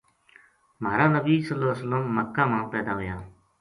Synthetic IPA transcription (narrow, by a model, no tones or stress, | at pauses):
maːɾaːnəbiːsəlːoːsəlːəmːəkːãːmãːpɛːd̪aːɦoːjaː